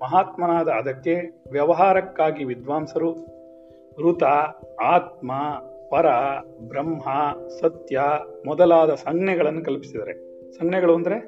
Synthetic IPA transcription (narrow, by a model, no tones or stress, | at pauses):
mɐɦaːt̪mɐnaːd̪ɐːd̪ɐkːe̞ʋjɐʋɐɦaːɾɐkːaːɡiʋid̪ʋaːmsɐɾu | ɾut̪ɐaːt̪̚mɐpɐɾɐ | bɾɐmɦɐsɐt̪jɐmɔd̪ɐlaːd̪ɐsɐŋnɛɡɐɭɐnːukɐlpi̥sid̪ɐɾe̞̰ | sɐŋnɛɡɐɭuɐnd̪ɐɾe